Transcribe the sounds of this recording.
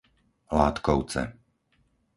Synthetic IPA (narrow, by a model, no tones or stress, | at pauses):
laːt̪kɔʊt͡sɛ̰